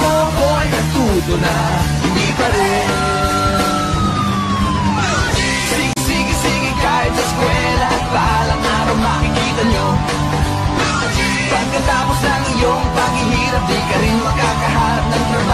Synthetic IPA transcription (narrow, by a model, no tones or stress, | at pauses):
kokoɐnkɐt̪uːd̪onɐ | hɪnd̪ipɐɾɛ | sɪɡsiːɡɪsiːɡɪŋkaːjot̪sɐskwɛːlɐʔɐt̪̚pɐʔaːlɐŋʔaːɾɐwnaːkɪkiːt̪ɐɲo | pɐɡ̚kɐt̪aːposlɐŋɪjoŋpɐɡhɪhiːɾɐp̚d̪ikɐɾɪnmɐɡ̚akɐɦaːɾɐp̚nɐŋt̪ɾɐba